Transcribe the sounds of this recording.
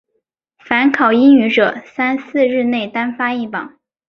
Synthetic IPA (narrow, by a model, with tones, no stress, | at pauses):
fa˧˥nkʰɑ˨˩ʊi˥ŋy˧˥ʈ͡ʂɤ˨˩˦sa˥nsɹ̩˥˧ɻɻ̩˥˧ne˥˩ɪt̪a˥nfa˥i˥˩pɑ˨˩˦ŋ